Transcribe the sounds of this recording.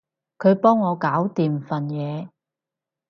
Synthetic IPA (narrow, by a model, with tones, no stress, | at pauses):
kʰɵ˨˧ɥpɔː˥ŋːɔː˨˧kaː˨˥wt̪iː˨mfɐ˨˩njɛː˨˧